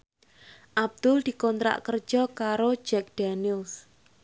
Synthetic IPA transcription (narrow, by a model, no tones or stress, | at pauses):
ʔab̚d̪̥ʊld̪̥i̤kɔnt̪ɾa̰ʔkər̥ʒ̥ɔkaɾo̥d͡ʒɛk̚d̥anils